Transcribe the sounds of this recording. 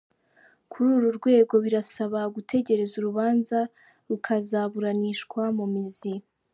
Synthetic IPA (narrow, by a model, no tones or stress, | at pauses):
kʰuɾuɾuɾɡwe̞ːɡo̞βiɾasaβaɡutʰe̞ɟe̞ɾe̞zuɾuβaːnza | ɾukʰazaβuɾaniʃkwamumizi